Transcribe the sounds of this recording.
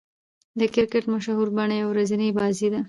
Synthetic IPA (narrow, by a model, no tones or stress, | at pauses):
d̪əkɪɾkɪʈmaʃahuɾbaɳajawɾazinəjbɑzid̪a